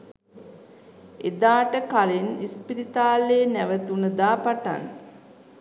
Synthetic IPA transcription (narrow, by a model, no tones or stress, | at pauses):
ed̪aːʈəkalenispiɾit̪aːleːnæʋət̪unəd̪aːpaʈa̰n